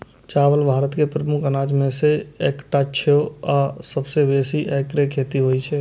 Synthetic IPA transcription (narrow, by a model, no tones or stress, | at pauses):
t͡ʃaːwəlbʱaːɾət̪kepɾəmʊkʰənaːd͡ʒmẽseeːkʈat͡ʃʰoasəbsebeːsiʔekɾekʰeːt̪iɦoit͡ʃʰɛː